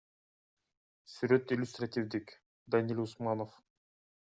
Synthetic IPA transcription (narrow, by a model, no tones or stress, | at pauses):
syɾøt̪ilʲʊst̪rat̪ʲivd̪ik | d̪anilʲʊsmɑnof